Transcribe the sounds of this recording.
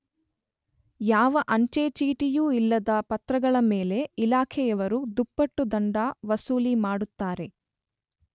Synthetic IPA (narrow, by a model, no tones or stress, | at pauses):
jaːʋɐʔɐɲt͡ʃeːt͡ʃiːʈijuːilːɐd̪ɐpɐt̪ɾɐɡɐɭɐmeːle̞ilaːkʰɛjɐʋɐɾud̪upːɐʈːud̪ɐɳɖaʋɐsuːlimaːɽut̪ːaːɾe̞